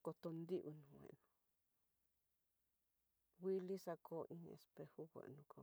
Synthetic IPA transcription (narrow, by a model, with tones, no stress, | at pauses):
ko˧t̪o˧nd̪i˦ʔu˧nũ˨wḛ̃˨nũ˨˧ | wʷi˦li˦sa˧kʰo˦ʔĩ˦˧ḛ˧spe˧hu˦ɣʷḛ˨nũ˧kʰo˧